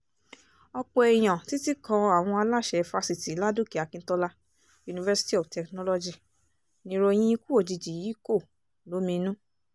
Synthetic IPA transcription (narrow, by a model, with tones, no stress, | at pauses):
ɔ˧k͡pɔ˧˨ɛ˨j̃ã˨ti˨˦ti˦kɔ̃˧a˨w̃ɔ̃˧a˧la˦˨ʃɛ˧˨˧fa˧si˨ti˨˦la˦du˦˨ki˨a˨kĩ˧n̩˦tɔ˧la˧˦ | ju˨˧nĩ˨vɛ˧˦si̥˦ti˦ɔ˨ftɛ˨knɔ˦lɔ˧d͡ʒi˧ | nĩ˧˦ɾo˧j̃ĩ˦i˦ku˦o˦˨d͡ʒi˨˧d͡ʒi˨ji˨˦ko˦˨ | lo˨˦mĩ˧nũ˦